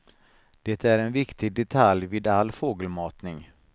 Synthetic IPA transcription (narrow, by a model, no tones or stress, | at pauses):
d̪̥ɛt̪æɾɛnvɪkt̪ʰɪɡ̚d̪ɛt̪ʰaljviːd̪alːfoːɡəlmɑːt̪nɪŋ